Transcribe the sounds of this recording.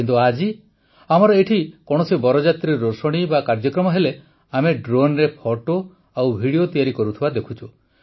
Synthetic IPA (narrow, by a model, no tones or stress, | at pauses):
kint̪uad͡ʒi | amɔɾɔeʈʰikɔɽ̃ɔsibɔɾɔd͡ʒat̪ɾeɾosoɽ̃ibakaɾd͡ʒɔkɾɔmɔɦele | ameɖɾonɾepʰoʈo | awbʱiɽiot̪ijaɾikɔɾut̪ʰibad̪ekʰut͡ʃʰu